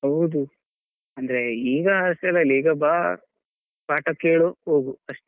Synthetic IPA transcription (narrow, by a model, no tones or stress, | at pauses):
ɦɐwd̪u | ɐnd̪ɐɾeiːɡɐɐst̪ɐlɐliːɡɐbaː | paːʈɐkeːɭoɦoːɡuɐʂʈ